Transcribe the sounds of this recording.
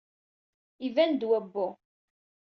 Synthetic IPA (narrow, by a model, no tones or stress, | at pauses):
ivænd̪wæbːʊ